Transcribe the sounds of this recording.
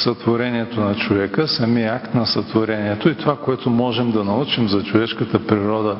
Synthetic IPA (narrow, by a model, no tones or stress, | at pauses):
sɐt̪voɾɛniɛt̪onɐt͡ʃovɛkəsɐmiɛakt̪nɐsɐt̪voɾɛniɛt̪oit̪ovakoɛt̪omɔʒɛmd̪ɐnɐut͡ʃimzɐt͡ʃovɛʃkət̪əpɾiɾɔd̪ə